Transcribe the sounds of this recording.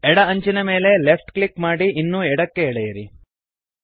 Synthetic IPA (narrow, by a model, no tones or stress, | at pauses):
ɛɽɐɐɲt͡ʃinɐme̞ːle̞lepʈkɭikmaːɽiːnːuːɛɽɐkːe̞ɛɽɛjɐɾi